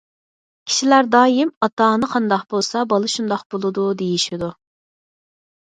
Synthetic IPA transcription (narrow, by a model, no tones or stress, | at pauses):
kʲʰi̥ʃilæɾd̪ɑːjimɑt̪ɑːnɨqʰɑnd̪ɑqbolˠsɑbɑlˠɨʃund̪ɑqbolˠɨd̪ud̪ejiʃid̪u